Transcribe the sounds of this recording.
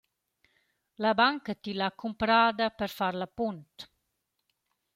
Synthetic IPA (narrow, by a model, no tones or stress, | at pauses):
labaŋkət̪ilakumpɾaːd̪apəɾfaɾlapunt̪